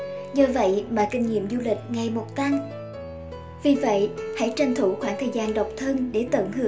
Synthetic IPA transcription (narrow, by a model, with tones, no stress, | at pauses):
ɲə˧və̰˧˨jmaː˨˩kï˧ŋɲḭ˧˨əmzu˧lï˨˩k̟̚ŋa˨˩jmo˨˩t̚t̪a˧ŋ | vi˨˩və̰˧˨jha̰˧˥jt͡ɕa˧ŋt̪ʰu˧˩xwaː˧˥ŋt̪ʰəː˨˩jzaː˧nɗa˨˩wk͡p̚t̪ʰə˧nɗe˧˩t̪ə̰ː˧˩nhɨ˧˦